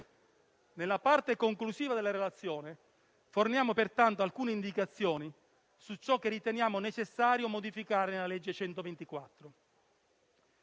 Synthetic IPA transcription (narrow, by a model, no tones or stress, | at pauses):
nelːapart̪ekoŋklusiːvad̪elːaɾelat̪sːjoːne | fornjaːmopert̪ant̪oalkuːneind̪ikat̪sːjɔːni | sut͡ʃːɔkːerːit̪enjaːmonet͡ʃesːaːɾjomod̪ifikaːɾenelaled͡ʒːet͡ʃɛnt̪ovent̪ikwat̪ːɾo